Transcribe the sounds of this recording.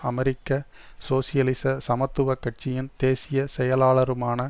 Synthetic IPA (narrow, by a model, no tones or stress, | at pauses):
ɐmɛɾɪkːɐ | soːsɪjɐlɪsɐsɐmɐt̪ːɯʋɐkːɐʈ̚t͡ʃːɪjɪnt̪eːsɪjɐsɛjɐlaːlɐɾɯmaːnɐ